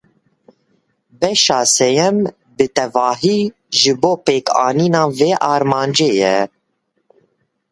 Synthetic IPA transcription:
bɛʃɑːsɛjɛm | bɨt̪ɛvɑːɦiː | ʒɨboːpeːkɑːniːnɑːveːʔɑːɾmɑːnd͡ʒeːjɛ

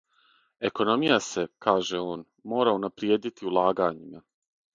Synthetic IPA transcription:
e̞ko̞no̞mijase̞kaːʒe̞o̞ːn | mo̞ːɾaunapɾjeːd̪it̪iulˠaːɡaɲima

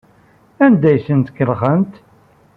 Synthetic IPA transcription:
ænd̪æjsənt̪kːəlʁənt̪

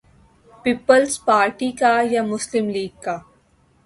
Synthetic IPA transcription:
piːpəlspaːɾʈikajamʊslɪmliːɡ̚ka

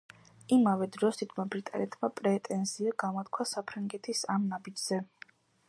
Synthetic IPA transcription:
imavɛd̪ɾɔst̪ʰit̪ʰmabɾit̪ʼa̰nɛt̪ʰmapʼɾɛt̪ʼɛnziaɡamɔt̪̚kʰwasapʰɾaŋɡɛt̪ʰisamnabid͡ʒz̥ɛ

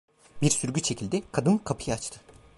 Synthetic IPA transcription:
biɾsyɾɟʲyt͡ʃʰe̞cʰilʲd̪ɪkʰad̪ɯnkʰapʰɯjaat͡ʃt̪ʰɯ

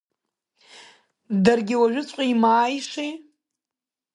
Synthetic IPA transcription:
darɡʲɪwaʒᶣʊt͡sʷʼqʷʼaimaːjʂi

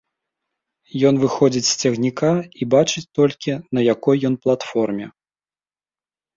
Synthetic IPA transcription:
jɔn̪vɨxɔd͡zʲit͡sʲsʲt͡sʲɐɣnʲikaibat͡ʂɨt͡sʲt̪ɔlʲkʲinɐjakɔjːɔnplˠat̪fɔrmʲɛ

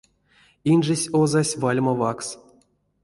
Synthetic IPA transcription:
inʐɨsʲozasʲvalʲməvaks

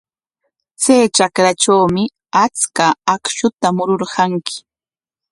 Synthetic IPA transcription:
t͡sajt͡ʃakɾat͡ʃawmɪ | at͡skaːkʃʊt̪amʊɾoɾɢɑŋkɪ̥

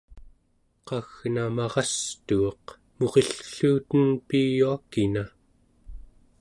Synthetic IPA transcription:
qɑɣnamɑʁɑst̪uɑq | mo̞ʁeɬɬuːt̪ənpijuakina

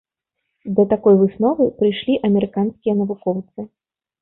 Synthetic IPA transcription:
d̪ɐt̪akɔjvɨsnɔvɨpɾɨjʂlʲiʔɐmʲɛɾɨkanskʲijɐnɐvukɔwt̪sɨ

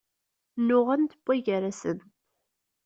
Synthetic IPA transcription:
nːʊʁænt̪əb̥ːæʝaɾasəð

